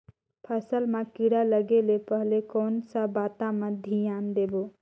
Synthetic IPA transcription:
pʰəsəlmẽkiɽaləɡelepəɦlekɔːnsabaːt̪ãmẽd̪ʱijaːnd̪eːboː

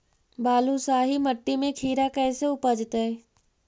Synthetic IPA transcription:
baːlusaːɦimɐʈːimẽkʰiːɾakɛːseʊpəd͡ʒt̪eɛ

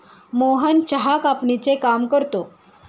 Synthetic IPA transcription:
moɦənt͡ɕəɦakapɳit͡sekamkəɾt̪o

